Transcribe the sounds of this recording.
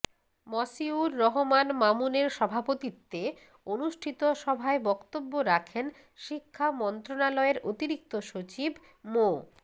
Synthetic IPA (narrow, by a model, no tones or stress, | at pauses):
mɔsiuɾːɔɦomanmamuneɾʃɔbʱapot̪it̪ːe | onuʃʈʰit̪oʃɔbʱaebɔkt̪obːoɾakʰen | ʃikʰːamɔnt̪ɾonalɔeɾʔot̪iɾik̚t̪oʃot͡ɕibʱ | mo